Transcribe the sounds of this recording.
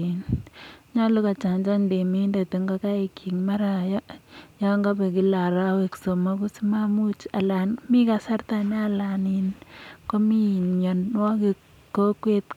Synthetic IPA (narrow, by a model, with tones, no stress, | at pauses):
nɲa˦lu˦ka˨t͡ʃa˨ɲd͡ʒa˦ɲde˨mi˦nde˨tu˨ŋɡa˦ka˦e˨kʰi˨ŋma˦ɾa˨jɔ˦ja˦ŋɡa˦bɛ˨ki˦la˨ɾa˦we˨kso˨ma˦ku˦sima˦mu˦t͡ʃa˨la˨nmi˦ka˨sa˦ɾt̪a˨ne˦a˦la˨ni˨nko˦mi˦˨ɲɔ˨nwɔ˦ki˨ | kːo˦kwe˦t